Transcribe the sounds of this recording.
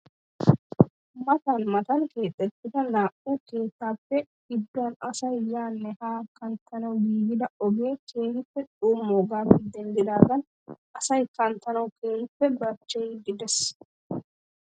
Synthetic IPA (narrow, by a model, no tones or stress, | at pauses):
mɐt̪ɐnmɐt̪ɐnke̞ːt̪ʼːɛt̪ːɪd̪ɐnaːʔuːke̞ːt̪ːaːpːɛ | ɡɪd̪ːʊɐnɐsɐjːaːnːɛhaːkɐnt̪ːɐnɐwɡiːɡɪd̪ɐɔɡeːkʰeːhɪpːɛtʼuːmoːɡaːfɛd̪ɛnd̪ɪd̪aːd̪ɐn | ʔɐsɐjkɐnt̪ːɐnɐwkeːhɪpːɛbɐt͡ʃːɛjɡɪd̪ɛs